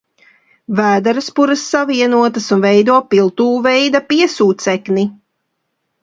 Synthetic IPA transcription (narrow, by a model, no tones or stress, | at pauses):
væːd̪aɾaspuɾɐsːaviɛnuɔt̪ɐsunvɛjd̪uɔpilˠt̪uːvɛjd̪apiɛsuːt̪t̪sɛkni